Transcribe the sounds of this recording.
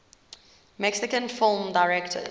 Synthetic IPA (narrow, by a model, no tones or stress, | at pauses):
mɛksɪkə̃nfɪlˠmdaɪɹɛktʰə̰